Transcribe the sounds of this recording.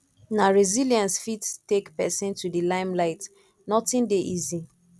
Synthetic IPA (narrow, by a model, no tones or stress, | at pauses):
naɹiziliãnsfittekpɛsĩntudilãɪ̃mlaɪt | nɔtĩndeʔizi